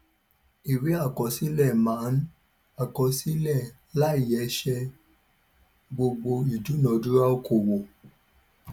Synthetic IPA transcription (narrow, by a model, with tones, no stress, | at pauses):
i˨ɾe˨˦a˦˨kɔ˨si˦lɛ˦˨mã˨˦n̩˦ | a˨kɔ˨˧si˦lɛ˦˨ | la˦i˦˨jɛ˨˧˦ʃɛ˧ | ɡ͡bo˧ɡ͡bo˧i˨du˨˦nɔ̃˨˧˦du˦ɾa˦o˦ko˨wo˨